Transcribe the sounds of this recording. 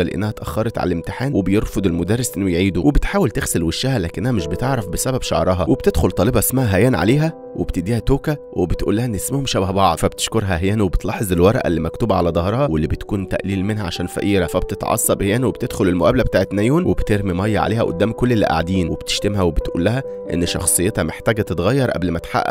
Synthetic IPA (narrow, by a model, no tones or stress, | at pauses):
ɑlʔḛnːæhæt̪ʔæ̰xːɑɾˤɑt̪ʕa̰lælemt̪eħaːnwʔebejeɾfod̪ˤelmod̪ærːesʔenːojʕiːd̪uwʔebet̪ħaːwelt̪exselweʃːæhælæːkenʔænæmeʃbet̪eʕɾˤɑfbesæbæbʃɑ̰ʕɾˤɑɦɑwʔeb̥t̪ed̪xolt̪ˤɑːlebɑesmæhæɦæjæːnʕa̰leːɦæ | webt̪ed̪iːhæt̪oːkæ | webet̪ʔuːlːæhæʔenːesmæhomʃæbæhbɑʕd̪fæbet̪e̥ʃkoɾɦæʔæɦjæːnwebet̪lɑːħezˤelwɑɾˤʔæ̰lːimækt̪uːbæʕalæd̪ˤɑhɾˤɑhɑwelːibet̪kuːnt̪æ̰ʔliːlmenɦæʕa̰ʃæːnfæ̰ʔiːɾæfæbet̪et̪ʕɑ̰sˤːɑbehjæːnwebet̪ed̪̥xolelmoʔæːblæbet̪aːʕet̪næjuːnwebt̪eɾmimɑjːɑʕa̰leːhæʔo̰d̪ːæːmkolːelːiʔa̰ʕd̪iːnweb̥t̪e̥ʃt̪emɦæwebet̪ʔṵːlːæɦæ | ʔḛnːʃɑ̰xsˤejːet̪hɑmeħt̪æːɡæt̪et̪ɣɑjːɑɾˤʔæ̰blmæt̪ħa̰ʔːæ̰